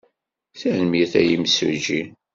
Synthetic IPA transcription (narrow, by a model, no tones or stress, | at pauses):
θænmjiθæ̰jimsə̰d͡ʒi